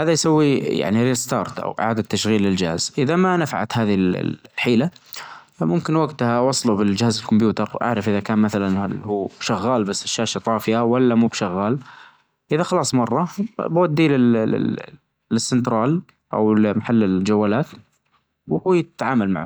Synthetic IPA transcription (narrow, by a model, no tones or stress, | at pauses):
haːðajsawːija̰ʕniɾiːst̪ɑ̰ːɾˤt̪ʔa̰wʔɪ̰ʕa̰ːd̪at̪ːaʃɣiːlːɪld͡ʒa̰ːz̥ʔɪðamanafʕa̰t̪haːðil̰lħiːla | mʊmkɪnwaɡt̪hawɑsˤːlubɪld͡ʒɪhaːzɪlkʊmbjuːt̪ɑɾˤʔa̰ʕɾɪfʔɪðakaːnmaθalanhuːbʃaɣːaːlbasːɪʃːaːʃat̪ˤɑːfɪjʔawalːamuːbʃaɣːaːl | ʔɪðaxɑlɑːsˤmɑrˤːɑbwad̪ːilɪ | lɪsːɪnt̪ɾˤɑːl | ʔa̰wlmaħalːɪld͡ʒawːaːlaːt̪ | whuːjɪt̪ːʕaːmalma̰ʕ